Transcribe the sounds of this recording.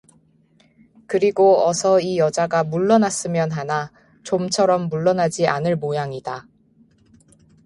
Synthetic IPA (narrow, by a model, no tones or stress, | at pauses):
kɯɾiɡoʌsʰʌijʌd͡ʑaɡamuɭːʌnas͈ɯmjʌnɦana | t͡ɕomt͡ɕʰʌɾʌmːuɭːʌnɦad͡ʑiʔa̰nɯɭmojaŋida